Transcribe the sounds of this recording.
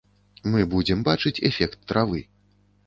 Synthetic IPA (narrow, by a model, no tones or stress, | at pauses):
mɨbud͡zʲɛmbat͡ʂɨt͡sʲɛ̰fʲɛkt̪ːɾavɨ